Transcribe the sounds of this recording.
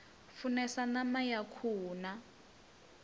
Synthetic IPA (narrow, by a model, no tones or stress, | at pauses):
funɛsanamajakʰuːna